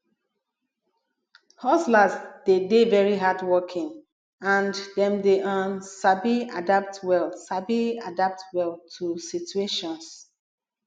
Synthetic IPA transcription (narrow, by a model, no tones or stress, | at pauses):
hɔslasd̥edevɛɹiɦadwɔkʰɪ̃ŋ | ãndɛ̃mdeʔãnsabiadap̚twɛlsabiadap̚twɛlˠtʰusitueʃɔ̃ns